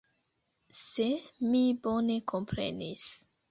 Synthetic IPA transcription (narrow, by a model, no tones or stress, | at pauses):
semibo̞ne̞kʰo̞mpɾe̞̰nis